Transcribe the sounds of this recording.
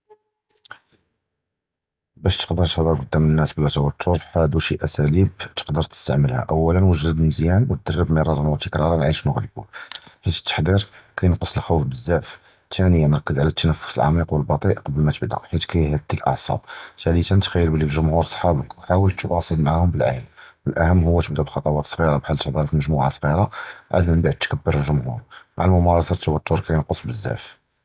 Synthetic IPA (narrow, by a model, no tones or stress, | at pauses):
bæʃt̪ə̥qd̪əɾt̪əħd̪əɾkʊd̪ːæmənːæsbəlɑt̪ɑwt̪ʰːʊɾħæd̪uʃiʔæsælibt̪ə̥qd̪əɾˤt̪ə̥st̪a̰ʕməlhæ̰ʔæwːælənwəʒɾəb̪məzjænbət̪̚d̪ərːəbmiɾˤɑɾˤɑnwət̪əkɾˤɑɾˤɑnʕiʃnəɣləbṵħit̪t̪ːə̥ħd̪iɾkæjnqəsˤːəlxufbəzːæf | t̪ʰænəjːænɾˤɑkːəd̪ʕlæt̪ʰːænəfːʊ̥səlʕɑ̰miqwəlbɑt̪ˤiʔqbəlmæt̪əbd̪æ̰ħit̪kæjhæd̪̚d̪ilʔɑ̰ʕsˤɑ̰b̚t̪ælit̪ænt̪xæjːəɾbəlilʒʊmhuɾsˤħɑbəkwħawəlt̪ːbɑsˤəlmaʕahʊmbəlʕa̰jlwəlʔæhəmːɦʊwːæt̪əbd̪ubxɑt̪ˤɑwɑt̪sˤɣiɾɑbħalːt̪ːəħd̪ˤiɾfməʒmuʕasˤɣiɾaʕa̰lməbaʕd̪̚t̪kəbːəɾəlʒʊmhṵɾmaʕalmʊmɑɾˤɑsˤɑt̪ʰːəwət̪ːʊɾkæjənqosˤbəzːæ̰f